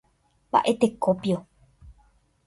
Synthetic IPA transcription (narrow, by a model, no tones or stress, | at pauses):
mba̰ʔe̞t̪e̞kopjo